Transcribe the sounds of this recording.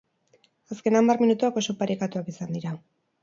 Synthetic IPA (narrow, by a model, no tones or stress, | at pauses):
aske̞nambarminut̪uako̞so̞paɾikat̪uakisand̪iɾa